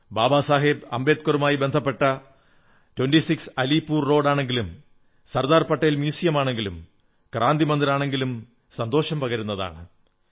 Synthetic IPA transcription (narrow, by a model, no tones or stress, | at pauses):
baːbaːsaːɦibɐ̰mbe̞ːt̪̚kɐrumaːjibe̞nd̪ʱɐpːe̞ʈːɐ | twɐnɖisiksɐlipːuːrro̞ːɖaːɳe̞ŋɡilum | sɐrd̪aːrpɐʈːejlmjiːsijɐmaːɳe̞ŋɡilum | kraːnd̪imɐnd̪iɾaːɳe̞ŋɡilum | sɐnd̪o̞ːɕɐmpɐɣɐɾunːɐða̰ːɳɨ